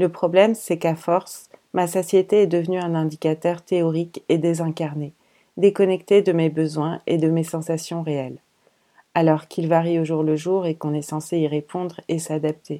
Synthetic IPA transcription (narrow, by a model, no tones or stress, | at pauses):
ləpχɔblɛmsɛkafɔʁsmasɔsjet̪eɛd̪əvnyɛ̃nɛ̃d̪ikat̪œʁt̪eɔʁiked̪ezɛ̃kaʁne | d̪ekɔnɛkt̪ed̪əmebəzwɛ̃ḛd̪əmesɑ̃sasjɔ̃ʁeɛl | alɔʁkilvaʁioʒuʁləʒuʁekɔ̃nɛsɑ̃seiʁepʰɔ̃d̪ʁesad̪ap̚t̪ʰe